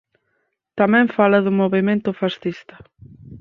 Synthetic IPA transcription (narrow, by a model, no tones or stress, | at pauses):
t̪amɛ̃ɱfalɐðʊmoβemẽnt̪ʊfasθist̪ɐ̥